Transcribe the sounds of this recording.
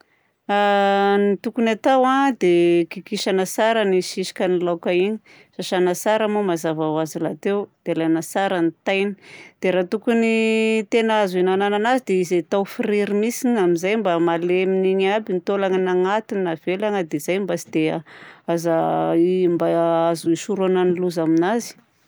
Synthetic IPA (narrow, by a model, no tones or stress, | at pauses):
anit̪ukunat̪awad̪ekikiʃanasaɾaniʃiʃi̥kʲanilawkaiɲi̥ | ʃaʃanasaɾamumazavawazilat̪ewd̪̥ealanasaɾanit̪ajni̥d̪̥eɾat̪ukunit̪enəazuinanananazid̪eizet̪awfiɾiɾimisinamizajmbamaleminiɲabinit̪olaŋanaŋat̪iniav̥elaŋəd̪ez̥ajmbasid̪̥eaazaimbaazuisuɾonaniluzaminazi̥